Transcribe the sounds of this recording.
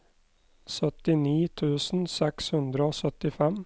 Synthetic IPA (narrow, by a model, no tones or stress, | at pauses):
sœt̪ɪniːt̪ʰʉːsn̩sɛkshʉnd̪ɾəoːsœt̪ɪfɛm